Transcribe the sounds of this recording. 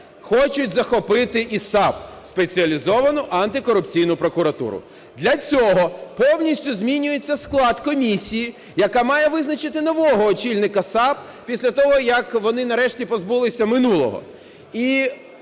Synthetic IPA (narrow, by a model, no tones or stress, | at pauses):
xɔt͡ʃʊtʲzɐxɔpɪt̪ɪʔisɑpspet͡sʲiɐlʲizɔʋɐnʊʔɐnt̪ɪkɔɾʊpt͡sʲijnʊpɾɔkʊɾɐt̪ṵɾʊ̰ | d̪lʲɐt͡sʲɔɦɔpɔwnʲisʲtʲʊzʲmʲinʲʊjet͡sʲːɐsklˠɑd̪kɔmʲisʲiji | jɐkamɑjɛʋɪznɐt͡ʃɪt̪ɪnɔʋɔɦɔːt͡ʃilʲnɪkɐsɑp̚ | pʲisʲlʲɐt̪ɔɦɔjɐkʋɔnɪnɐɾɛʃtʲipɔzbulˠɪsʲɐmɪnulˠɔ̰ɦɔ̰ | i